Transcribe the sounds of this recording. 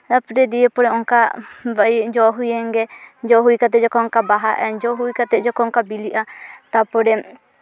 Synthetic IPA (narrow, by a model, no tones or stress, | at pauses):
apɾɛd̪iepɔɽɛɔŋkabad͡ʒɔɦujɛŋɡɛd͡ʒɔɦujkat̪ɛd͡ʒɔkɔŋkabaɦaʔɛd͡ʒɔɦujkat̪ɛd͡ʒɔkɔŋkabiliʔat̪apɔɽɛ